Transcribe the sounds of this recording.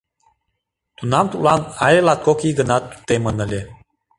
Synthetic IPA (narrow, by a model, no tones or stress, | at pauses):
t̪unamt̪ulanaelat̪̚kokiɡənat̪ːu̥t̪emənəlʲe